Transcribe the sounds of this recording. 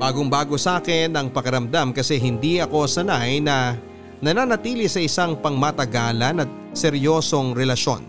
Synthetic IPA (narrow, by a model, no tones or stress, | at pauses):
baːɡoŋbaːɡosaːkɪnɐŋpɐkɐɾɐmd̪amkɐsɛɦɪnd̪iɐko̞sɐnajnɐ | nɐnaːnɐt̪iːlisɐʔɪsaŋpɐŋmaːt̪ɐɡaːlɐnɐt̪̚sɛɾjo̞ːso̞ŋɾɛlɐʃo̞̰n